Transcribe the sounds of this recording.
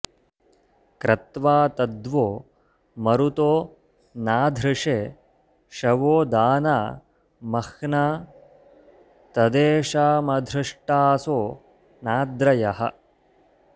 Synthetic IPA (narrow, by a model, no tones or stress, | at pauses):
kɾɐt̪ʋaːt̪ɐd̪ʋoː | mɐɾut̪oː | naːd̪ʱɾɪʂeː | ʃɐʋoːd̪aːnaː | mɐxnaː | t̪ɐd̪eːʃaːmɐd̪ʱɾɪʂʈaːsoː | naːd̪ɾɐjɐɦɐ̰